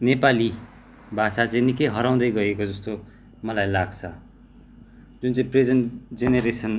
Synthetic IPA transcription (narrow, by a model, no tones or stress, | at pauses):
nepali | bʱasat͡sʌ̃nikejɦʌɾaw̃d̪ʌjɡʌekod͡zʌst̪o | mʌlajlaɡt͡sʰʌ | d͡zunt͡saĩpred͡zʌnd͡zeneɾesʌn